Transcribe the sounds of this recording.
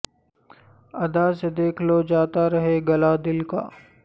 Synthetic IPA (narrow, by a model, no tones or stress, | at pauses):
ɐd̪ased̪eːkʰlod͡ʒaːt̪aɾɐɦeɡɐlad̪ɪlka̰ː